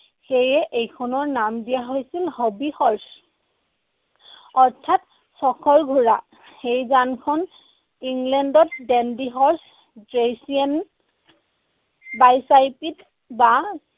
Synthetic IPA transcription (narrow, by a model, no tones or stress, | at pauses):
xejɛʔejkʰɔnɔɹnamdijaɦojsilhobihɔɹs | ɔɹtʰat | sɔkʰɔɹɡʱuɹa̰ | xejzankʰɔn | iŋlɛndɔtdɛndiɦɔɹs | dɹejsian | bajsajpit | ba